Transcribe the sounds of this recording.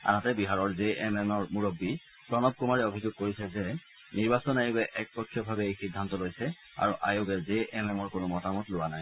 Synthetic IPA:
a̰natɛbiɦaɹɔɹzeʔmɛmɔɹmuɹobːi | pɹɔnɔb̚kumaɹiobʱizʊɡ̚koɹisɛzɛ | niɹbasɔnajibɛʔɛk̚pɔkʰːjɔbʱabɛejxidʱːantɔlojsɛ | a̰ɹuʔa̰jobɛzeʔɛmɛmɔɹkʊnʊmɔtamɔtlʊwanaj

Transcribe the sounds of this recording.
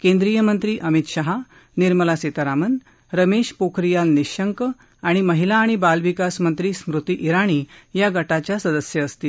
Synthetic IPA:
kẽnd̪ɾiːjəmənt̪ɾiːʔəmit̪ɕaɦa | niɾməlaset̪aɾamən | ɾəmeɕpokʰɾijalniɕəŋk | aɽ̃iməɦilaːɽ̃ibalʋikasmənt̪ɾiːsmɾut̪iʔiɾaɽ̃iːjaɡəʈat͡ɕjasəd̪əsjəːst̪iː

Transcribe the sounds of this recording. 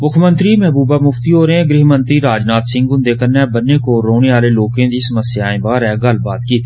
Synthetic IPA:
mʊkʰmə̃nt̪ɾimɛɦbuːbamʊft̪iɦoːɾẽɡɾɪɦmə̃nt̪ɾiɾaːd͡ʒnaːt̪sɪ̃ŋɡɡʊnd̪ekəɾnɛbənːekoɾoːneaːleloːkẽd̪isəməsjaːẽbaːɾɛːɡɐlbaːt̪kiːt̪ː

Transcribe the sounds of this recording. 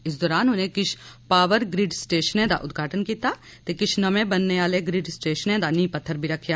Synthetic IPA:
ɪs̬d̪ɔːɾaːnʊnẽkɪt͡ʃʰpaːʋəɾɡɾiːɖsʈeːʃənẽd̪a̰ʔʊd̪ɡʱaːʈənkiːt̪a | t̪ekɪt͡ʃʰnɐmẽbɐnːeaːleɡɾiːɖsʈeːʃənẽd̪anĩːpɐt̪ʰːəɾbʱiɾɐkʰjaː

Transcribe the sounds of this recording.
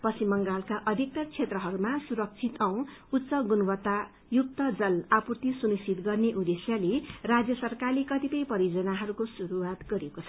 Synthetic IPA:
pʌsimːʌŋɡalkaʔʌd̪ʱik̚t̪ʌrt͡sʰet̪rʌɦʌɾumasuɾʌk̚t͡sʰit̪aw̃ut̪ːsʌɡunwʌt̪a | juk̚t̪ʌd͡zʌlapurt̪isunisit̪ɡʌrneʔud̪esjʌlerad͡zjʌsʌrkarlekʌt̪ipʌjpʌɾjod͡zʌnaɦʌɾukosuɾuwat̪ɡʌɾekot͡sʰʌ

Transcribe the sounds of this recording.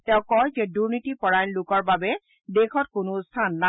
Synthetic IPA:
tɛ̃ʊ̃kɔjzɛduɹnitipɔɹajnlʊkɔɹbabɛ | dekʰɔt̚kʊnʊstʰanːa

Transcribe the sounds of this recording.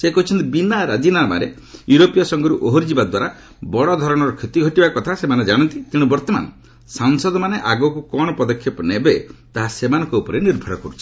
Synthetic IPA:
sekɔɦut͡ʃʰɔnt̪ibinaɾad͡ʒinaba̰ɾḛ | juɾopijasɔŋɡɔɾuʔoɦɔɾd͡ʒibad̪waɾa | bɔɽɔd̪ʱɔɾɔɽ̃ɔɾɔkʰet̪iɡʱɔʈibakɔt̪ʰasemaned͡ʒaɽ̃ɔnt̪it̪iɽ̃ubɔɾt̪ɔma̰nɔ | saŋsɔd̪ɔmaneʔaɡɔkukɔɽ̃ɔpɔd̪ɔkʰːjɔpɔnebet̪aɦasemanɔ̃ŋkɔupɔɾeniɾbʱɔɾɔkɔɾut͡ʃʰi̥

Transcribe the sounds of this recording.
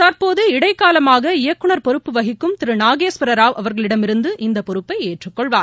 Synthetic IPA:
t̪ɐɾpoːðɯɪɽɐɪkːaːlɐmaːɣɐɪjɐkːɯɳɐɾpɔɾɯpːɯʋɐɣɪkːɯmt̪ɪɾɯnaːɣeːspɪɾɐɾaːʋɐʋɐɾɣɐɭɪɽɐmɪɾɯnd̪ɯʔɪnd̪ɐpɔɾɯpːɐɪeːʈrɯkːɔɭʋaːn

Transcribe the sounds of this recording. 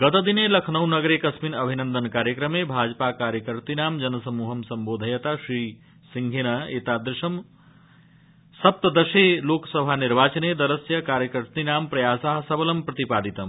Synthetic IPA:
ɡət̪d̪inelɐkʰnəwnɐɡɾekɐsminɐbʱinənd̪ənkaːɾjəkɾəmebʱad͡ʒpakaːɾjəkəɾt̪inaːmd͡ʒɐnɐsɐmuɦɐmsɐmboːd̪ʱəjət̪asɾi | siŋɡʱenaeːt̪ad̪ɾɪʃɐm | sɐp̚t̪d̪ɐseloksəbʱaniɾbaːt͡ʃəned̪ɐɾəsjɐkaːɾjəkəɾt̪inaːmpɾɐjaːsaɦsɐbəlɐmpɾɐt̪ipad̪it̪ɐm

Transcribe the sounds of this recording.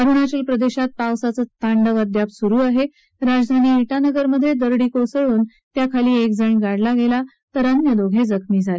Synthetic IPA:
əɾuɳat͡ɕəlpɾəd̪eɕat̪̚pawsat͡sət̪ʰaɳɖəʋəd̪japsuɾuːaɦe | ɾad͡zd̪ʱaniːiʈanəɡəɾməd̪ʱːjed̪əɾɽiːkosəɭuːn | t̪jakʰaliːek̚d͡zəɳɡaɽlaɡela | t̪əɾanjəd̪oɡʱed͡zəkʰmiːd͡zʱale

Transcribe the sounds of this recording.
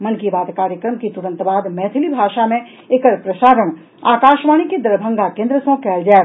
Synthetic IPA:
mɐnkibaːd̪kaːɾjəkɾəmkit̪uɾə̃nt̪baːd̪mɛːt̪ʰɪlibʱaːʃamẽ | ekəɾpɾɐʃaːɾəɳ̃ | aːkaːʃʋaːñiked̪ɐɾbʱə̃ŋɡakẽːnd̪ɾəsõkɛːld͡ʒaː

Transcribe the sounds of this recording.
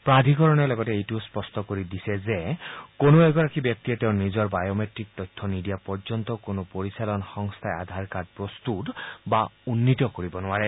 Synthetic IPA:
pɹad̪ʱikɔɹɔnɛlɔɡɔteejtuspɔstɔkoɹidisɛzekonoɛɡɔɹakibjɔk̚t̪iɛtẽʊ̃nizɔɹbajometɹik̚t̪ɔtʰːɔnidijapɔɹzɔnt̪ɔkonopoɹisalɔnxɔŋst̪ʰaea̰d̪ʱaɹkad̚pɹɔst̪utbaunːit̪ɔkoɹibɔnʊwaɹɛ

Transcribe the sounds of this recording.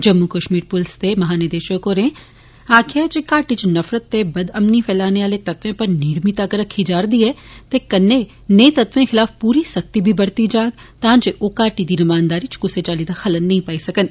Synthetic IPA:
d͡ʒɐmːukəʃmiːɾpʊlst̪emɐɦaːnɪɾd̪eːʃəkoɾẽ | aːkʰat͡ʃekaːʈit͡ʃnɐfɾət̪ːebɐd̪ɐmnifɛːlaːneʋaːlet̪ɐt̪ʋẽpɐɾniːɽmit̪aːkɐɾəkʰːid͡ʒaːɾd̪iɦɛːt̪ekɐnːe | nẽt̪ɐt̪ʋẽxɪlaːfpuːɾisɐk̚t̪ibʱibɐɽt̪id͡ʒaːɡt̪ãːt͡ʃeʔokaːʈid̪inɪmaːnd̪aːɾit͡ʃɡʊset͡ʃaːlid̪axɐlənːɐɦĩpaːisɐkən

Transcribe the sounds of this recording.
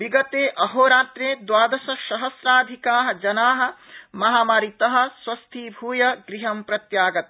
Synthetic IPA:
ʋiɡɐt̪eːʔɐɦoːɾaːt̪ɾeːd̪waːd̪ɐsɐʃɐɦɐsɾaːd̪ʱikaːɦɐ̆d͡ʒɐnaːɦɐ̆mɐɦaːmaːɾit̪ɐɦɐ̆swɐst̪ʰiːbʱuːjɐɡɾiɦɐmpɾɐt̪jaːɡɐt̪̚

